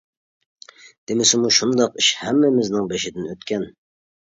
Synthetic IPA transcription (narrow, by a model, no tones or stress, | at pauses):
d̪̥emɪsɪmuʃund̪ɑqiʃhɛmːɪmɪznɪŋbeʃɪd̪ɪnøt̪kʲɛn